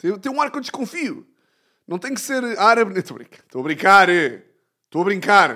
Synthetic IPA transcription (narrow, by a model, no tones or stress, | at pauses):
t̪ẽt̪ɐ̃j̃ũaɾkewd̪ʃkõfiu | nɐ̃w̃t̪ɐ̃j̃kseɾaɾɐβnɐ̃ẽt̪oɐβɾḭ̃ŋkɐ̥ʃt̪oɐβɾĩŋkaɾɛ | ʃt̪oɐβɾĩŋkaɾ